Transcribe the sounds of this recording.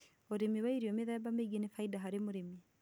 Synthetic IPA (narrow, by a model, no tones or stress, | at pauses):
oɾemiwaiɾiɔmeðabameɡenefaidaɦaɾemoɾemi